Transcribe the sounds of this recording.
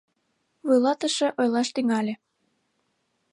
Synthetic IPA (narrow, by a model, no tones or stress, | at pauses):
vujlɑt̪əʃĕʔojlɑʃt̪yŋɑlʲĕ